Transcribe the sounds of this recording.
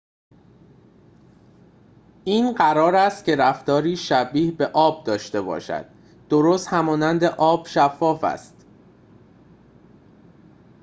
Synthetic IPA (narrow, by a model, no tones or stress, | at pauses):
ʔiːnɢæɾɒːɾæst̪̚ce̞ɾæft̪ɒːɾiːʃæbiːhbe̞ʔɒːb̚d̪ɒːʃt̪e̞bɒ̰ːʃæ̰d̪̥ | d̪̥oɾoːst̪hæmɒːnænd̪e̞ʔɒːb̥ʃæfːɒːfæ̰st̪